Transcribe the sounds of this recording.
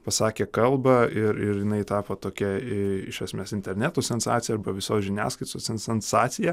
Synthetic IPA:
pɐsɑːkʲeːkɐlˠbɐɪɾɪɾjɪnɐɪt̪ɑːpot̪oːkʲɛɪɪ̰ʃʲʋɛsʲmʲeːsɪnʲt̪ʲɛɾʲnʲæːt̪oːsʲɛnsɑ̰ːt̪t͡s̪sʲɪjɛɐɾbɐʋʲɪsoːsʒʲɪnʲæ̰ːskɐɪt̪oːsʲɛnsʲɛnsɑːt̪sʲɪjɛ

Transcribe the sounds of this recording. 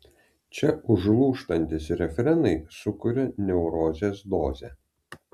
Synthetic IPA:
t͡ʃʲɛʊʒlˠuːʃt̪ɐnʲt̪ʲɪsɾʲɛfʲɛɾʲɛnt̪ɐɪsʊkʊɾʲɛnʲɛʊɾoːzʲeːsd̪oːzʲɛː

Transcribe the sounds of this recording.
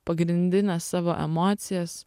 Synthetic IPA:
pɐɡɾʲɪnʲd̪ʲɪnʲɛsːɑːʋoːʔɛ̰moːt̪sʲɪjɛs

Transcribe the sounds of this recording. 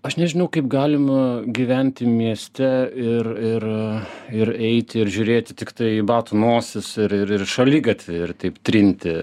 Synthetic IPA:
ɐʃnʲɛʒʲɪnɐʊkɐɪpɡɑːlʲɪmɐɡʲiːʋʲɛnʲt̪ʲɪmʲiɛsʲt̪ʲɛɪrɪɾ | ɪɾɛɪt̪ʲɪɪɾʒʲʊːɾʲeːt̪ʲɪt̪ʲɪkt̪ɐɪibɑːt̪unoːsʲɪsɪɾɪɾɪrʃɐlʲiɡɐt̪ʲʋʲɪɪrt̪ɐɪpt̪ʲɾʲɪnʲt̪ʲɪ

